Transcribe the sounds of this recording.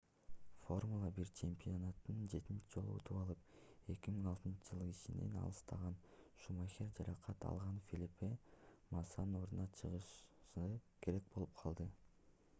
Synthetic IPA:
fo̞rmulˠɑbiɾt͡ʃʰe̞mʲpʲionat̪nɯnd͡ʒe̞t̪int͡ʃid͡ʒo̞lˠṵo̰t̪ʰupɑlˠɯp | e̞kʲimiŋɑlˠt̪ɯnt͡ʃʰɯd͡ʒɯlˠɯit͡ʃine̞̰nɑ̰lˠɯst̪ʰɑʁɑnʃumaxʲeɾd͡ʒɑɾɑqʰɑt̪ɑ̰lˠʁɑnfʲilʲipe | mɑsɑno̞ɾd̪unɑt͡ʃʰɯʁɯʃɯkʰe̞ɾe̞k̚bo̞lˠup̚qʰɑlˠd̪ɯ

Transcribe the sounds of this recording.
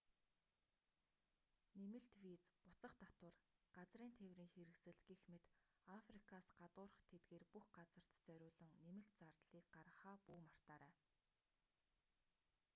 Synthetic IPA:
nemɘ̆ɬt̪wit͡spʊt͡sə̆χt̪at̪wə̆rɢ̥at͡sriːnt̪ʰewriːŋxeɾɘ̆ksɘ̆ɮɡixmet̪ | afrikʰasɢat̪ʊːɾə̆χt̪ʰet̪̚ɡeːrpuxɢat͡sə̆r̥t̪t͡sœɾʲʊːɮɞ̆ŋnemɘ̆ɬt̪t͡sart̪ɮiːk̚ɢaɾə̆χaːpuːmar̥t̪aːɾæː

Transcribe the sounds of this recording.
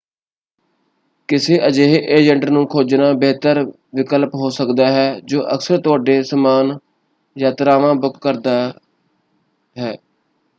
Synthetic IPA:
kɪseːʔəd͡ʒeːɦeːʔeːd͡ʒəɳɖnũːkʰoːd͡ʒnaːbeːt̪əɾ | ʋɪkəlpɦoːsəkd̪aːɦɛːd͡ʒoːʔə̰ksəɾt̪ʊaːɖeːsəmaːn | jaːt̪ɾaːʋãːbʊkkəɾd̪aː | ɦɛː

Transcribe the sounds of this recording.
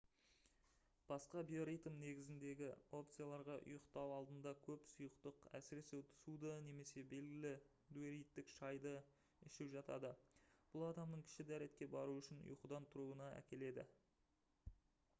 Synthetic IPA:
b̥ɑsqɑbijoɾijt̪əmne̞ɡʲɪzɪnd̪e̞ɡʲɪo̞pt̪sɨjalˠɑɾʁɑʔʊ̰jəqt̪ɑwɑlˠd̪ənd̪ɑkʲʰɵpsujəqt̪əqæ̰sɪɾe̞se̞wt̪ʰʊ̥sud̪əne̞me̞se̞be̞lɡʲɪlɪ | d̪ueɾijt̪ːɪkʃɑjd̪ə | ɪʃɪpʒɑt̪ɑ̰d̪əb̥ʊlˠɑd̪ɑmnəɴkʲʰɪ̥ʃɪd̪æɾe̞t̪kʲe̞bɑɾuʏʃɪnʊ̰jqəd̪ɑnt̪ʰʊɾuənɑæ̰kʲe̞le̞d̪ɪ̰

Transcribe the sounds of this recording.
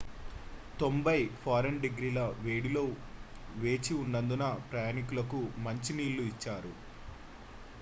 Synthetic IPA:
t̪o̞mbɐjpʰaːɾɐnɖeɡɾiːlɐʋe̞ːɽilo̞ː | ʋe̞ːt͡ʃiuɳɖɐnd̪unɐpɾɐjaːnikulɐkumɐɲt͡ʃiniːlːuit͡ʃːaːɾu

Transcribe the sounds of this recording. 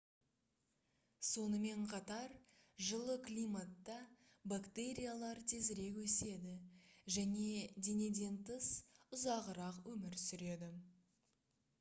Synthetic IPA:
so̞nəme̞ɴqʰɑt̪ɑɾ | ʒəlˠəklʲijmat̪ːɑ | bakt̪e̞ɾʲijalˠɑɾt̪ʰe̞zɪɾe̞kwɵse̞d̪ɪʒæne̞d̪e̞ne̞d̪e̞nt̪əsʊzɑʁəɾɑqwɵmɪɾsʏɾe̞d̪ɪ

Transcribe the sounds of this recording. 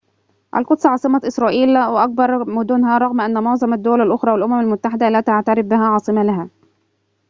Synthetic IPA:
ʔæ̰lqʊd̪sˤʕɑːsˤɨmɑʔɪsɾˤɑːʔiːlwɪʔɑk̚bɑɾˤmʊd̪uːnɦæɾˤɑɣmʔænːæmoʕzˤɑmad̪ːʊwælælʔoxɾˤɑːwɪlʔʊmæmalmʊt̪ːaħɪd̪ælæːt̪aʕt̪aɾɪfbɪɦæʕɑːsˤɨmælaɦæː

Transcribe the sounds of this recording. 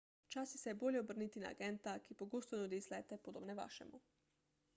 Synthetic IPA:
t͡ʃaːsisɛjɛboljɛobrnit̪ina̰ːɡɛnt̪akipoɡoːst̪ɔnud̪islɛt̪ɛpod̪oːbnɛʋa̰ːʃɛ̰mu

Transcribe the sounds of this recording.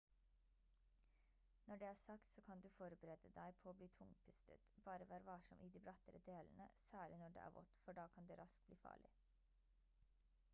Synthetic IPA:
nɔɖeːæːsɑkt̪soːkʰɑnd̪ʉːfɔɾbəɾɛd̪əd̪æɪpʰoːoːbliːt̪ʰʊŋpʰʏst̪ə̰t̪bɑːɾəʋæːɾəʋɑːʂɔmʔiːd̪iːbɾɑt̪əɾəd̪eːlnə̰sæːɭɪnɔɖḛːʔæ̰ːɾʋɔ̰t̪fɔɖɑːkʰɑnd̪eːɾɑsk̚bliːfɑ̰ːɭɪ̰

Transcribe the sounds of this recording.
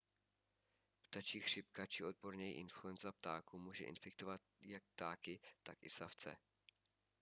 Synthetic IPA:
pt̪at͡ʃiːxr̝̥ɪp̚kat͡ʃɪo̞d̪̚bo̞ɾɲɛjḭʔɪnfluɛnzap̚t̪aːkumuːʒɛʔɪ̰nfɪk̚t̪o̞vat̪jak̚p̚t̪aːkɪt̪akɪsaft͡sɛ̰

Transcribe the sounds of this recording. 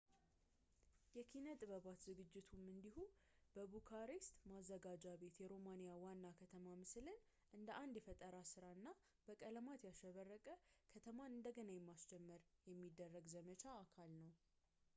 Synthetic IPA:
jɛkʰinət̪ʼɨβəβat̪zɨɡɨd͡ʒːɪt̪ʰumɨnd̪ihubəβukʰaɾest̪mazːəɡad͡ʒaβe̞t̪jɛɾo̞manijawanːakʰət̪ʰəmamɨslɨn | ʔɨnd̪əʔand̪jɛfət̪ʼəɾasɨɾaɨnːa | b̥əkʼələmat̪jaʃəβərːəkʼəkʰət̪ʰəmaɨnd̪əɡənajɛmːast͡ʃɛmːəɾjɛmːid̪ːərːəɡzəmət͡ʃʰaːkʰalnəw

